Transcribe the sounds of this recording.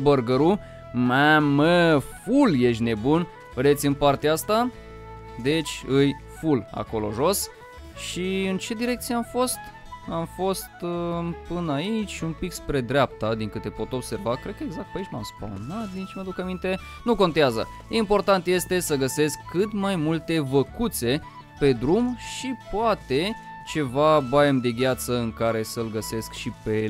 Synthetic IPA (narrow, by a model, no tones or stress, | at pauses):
bəɾɡəɾu | maməfulje̞ʃt̪ʲne̞bun | vɾet̪sʲɨnpart̪east̪a | d̪e̞t͡ʃʲɨj | fula̰ko̞lo̞̰ʒo̞s | ʃiɨnt͡ʃe̞d̪iɾe̞k̚t̪sijeamfo̞st̪ | amfo̞st̪pɨnait͡ʃʲumpikspɾe̞d̪ɾʲeap̚t̪ad̪iŋkɨt̪e̞po̞t̪o̞bse̞rvakɾe̞d̪̚kəeɡzak̚t̪̚pait͡ʃnuamspa̰wnat̪̚d̪it͡ʃməd̪ukamint̪e̞ | nuko̞nt̪eazə̰ | impo̞rt̪ant̪je̞st̪e̞səɡəse̞skʰːɨt̪majmult̪e̞vəkut̪se̞ | pe̞d̪ɾumʃipoat̪e̞ | t͡ʃe̞vabajemd̪e̞ɡʲjat̪səɨŋkaɾe̞səlɡəse̞skʃipe̞